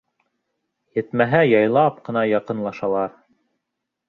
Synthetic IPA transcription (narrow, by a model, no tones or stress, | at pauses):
jɘ̆t̪mæɦæjɑjlˠɑp̚qɤ̆nɑjɑqɤ̆nlˠɑʃɑlˠɑɾ